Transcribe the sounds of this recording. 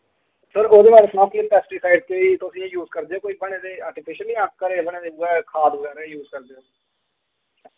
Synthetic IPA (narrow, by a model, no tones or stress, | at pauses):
səɾoːd̪eːbaːɾesnãːklɪmpɛːsʈiːsaːɪɖ̚keːit̪ʊsĩːẽjuːzkəɾd̪eoːkoːiːbəɳeːd̪eːaːɾʈɪpʰɪʃəliːãːkəɾeːbəɳ̃eːd̪eːʊɛːkʰaːd̪ɛːɾejuːzkəɾd̪eːɦoː